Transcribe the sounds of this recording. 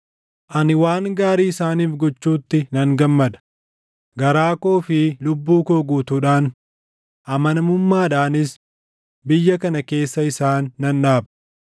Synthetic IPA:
ʔɐnɪwaːŋɡaːɾiːɪsaːniːfɡɔt͡ʃːuːt̪ːɪnɐŋɡɐmːɐd̪ɐ̥ | ɡɐɾaːkoːfɪlʊbːuːkoːɡuːt̪uːᶑaːn | ʔɐmɐnɐmʊmːaːᶑaːnɪs | bɪjːɐkɐnɐke̞ːsːɐɪsaːnːɐnᶑaːbɐ̥

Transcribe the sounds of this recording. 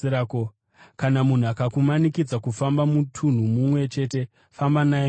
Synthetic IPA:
ɾako | kanamun̤uakakumanikid͡zakufambamutʰun̤umumwe̞t͡ʃe̞ːte̞ | fambanae

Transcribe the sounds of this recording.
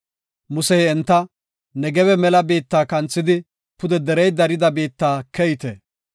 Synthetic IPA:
mʊsɛjɛnt̪ːɐ | nɛɡɛbɛmɛlɐbeːt̪ːaːkɐnt͡sːɪd̪ɪ | pʊd̪ɛd̪ɛɾɛjd̪ɐɾɪd̪ɐbeːt̪ːaːkɛjt̪ɛ

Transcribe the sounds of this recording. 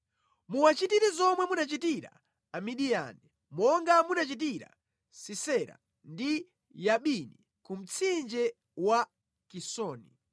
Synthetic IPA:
muwat͡ʃitiɾɛzɔmwɛmunat͡ʃitiɾa̰ | amiɗija̰ni | mɔŋɡamunat͡ʃit̬iɾa̰ | sisɛɾa̰ | ndi | jaɓini | kum̩t͡sʰind͡ʒɛ | wa | kisɔːnḭ

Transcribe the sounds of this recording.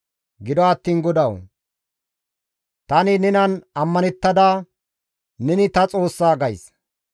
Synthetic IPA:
ɡɪd̪ɔɐt̪ːiːnɡɔd̪ɐw | t̪ɐnɪnɛnɐnɐmːɐnɛt̪ːɐd̪aː | nɛnɪt̪ɐt͡sʼo̞ːsːaːɡɐjs

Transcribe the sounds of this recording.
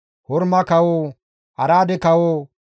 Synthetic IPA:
hɔɾmɐkɐwoː | ʔɐɾaːd̪ɛkɐwoː

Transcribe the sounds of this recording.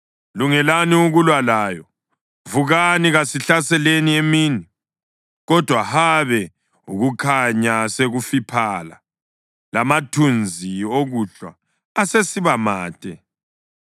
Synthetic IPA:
luŋɛlaniuɣulwalaːjɔ | vuɣaniɣasiɬasɛleniemiːni | ɣɔd̥ʱwahaβɛ | uɣukʰaɲaseɣufipʰala̰ | lamatʰund͡zʱioɣuɬwa̰ː | sesiβamaːtʼɛ̰

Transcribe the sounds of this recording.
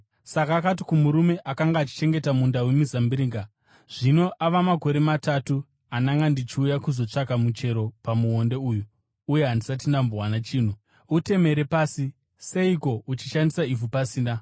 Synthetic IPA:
sakaːkat̬ikumuɾume̞ʔakaŋɡaːt͡ʃi̥t͡ʃe̞ŋɡe̞tamundauwemizambiɾiːŋɡa | ʐ̥ino̞ʔaʋamako̞ɾe̞matatu | anaŋɡandit͡ʃiujakuzo̞t͡ʂakamut͡ʃe̞ɾo̞pamuɦo̞nde̞uːjuː | je̞ɦandisat̬indambowanat͡ʃiːn̤u | ute̞me̞ɾe̞paːsi | se̞iko̞ut͡ʃiʃandisaivupasiːna

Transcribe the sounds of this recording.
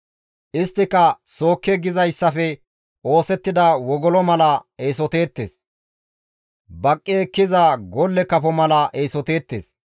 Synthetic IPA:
ʔɪst̪ːɪkɐso̞ːkːɛɡɪzɐjsːɐfɛ | o̞ːsɛt̪ːɪd̪ɐwɔɡɔlɔmɐlɐeːsɔt̪e̞ːt̪ːeːs | bɐkʼːeːkːɪzɐɡɔlːɛkɐfɔmɐlɐʔeːsɔt̪e̞ːt̪ːḛːs

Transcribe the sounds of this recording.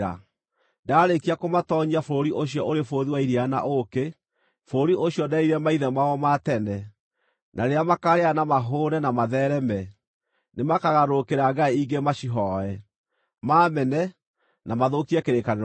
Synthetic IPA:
a̰ | daɾekiakomatɔɲiafoɾoɾiʔoɕ̬iɔʔoɾefoðiwaiɾiana̰ʔoke | foɾoɾiʔoɕiɔdaiɾɛmaiðɛmaɔmatɛnɛ | nʔaɾeamakaɾeanamaɦoːɾɛnamaðɛɾɛmɛ | nemakaɣaɾokeɾaɡaiiɡemaɕiɦɔɛ | maːmɛnɛ | namaðokiɛkeɾekane

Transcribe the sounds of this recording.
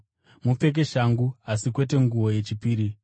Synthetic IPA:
mupe̞k̬e̞ʃaŋɡuasikwe̞te̞ŋɡuwo̞je̞t͡ʃipiːɾi

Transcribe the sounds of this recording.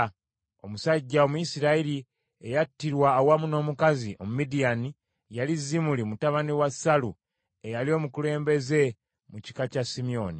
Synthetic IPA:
omusaɟːaomuisiɾaili | ejatːiɾwaːwamuno̞ːmukaziʔo̞mumidijani | jalizːimulimutaβaniwasalu | e̞jalio̞ːmukule̞ːmbe̞ze̞ | muci̥kacasimio̞ni

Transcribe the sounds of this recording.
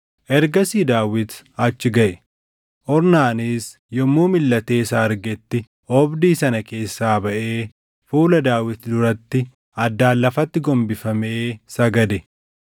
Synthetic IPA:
ʔɛɾɡɐsiːd̪aːwɪt̪ɐt͡ʃːɪɡɐʔɛ | ʔɔɾnaːnis | jɔmːuːmɪlːɐt̪e̞ːsaːɾɡɛt̪ːɪ | ɔbd̪iːsɐnɐke̞ːsːaːbɐʔe̞ː | fuːlɐd̪aːwɪt̪d̪ʊɾɐt̪ːɪ | ɐd̪ːaːlːɐfɐt̪ːɪɡɔmbɪfɐmeːsɐɡɐd̪ɛ

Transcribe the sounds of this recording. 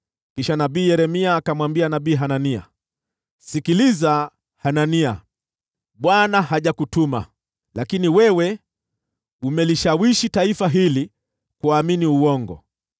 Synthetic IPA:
kiʃanaɓiːjɛɾɛmiaːkamwambianaɓiːɦanania̰ | sikiliza | hanania | ɓwanaɦaʄakutuma̰ | lakiniwɛwɛ | umɛliʃawiʃitaifaɦili | kuaminiuwɔŋɡɔ̰

